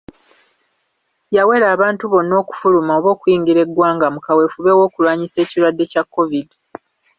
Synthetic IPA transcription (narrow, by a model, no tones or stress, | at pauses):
jawe̞ɾaːβaːntuβo̞nːo̞ːku̥fulumao̞βo̞ːkwjiːŋɡiɾe̞ɡwaːŋɡamukawe̞fuβe̞wo̞ːkulwaːɲise̞ːciɾwadːe̞cakːo̞vid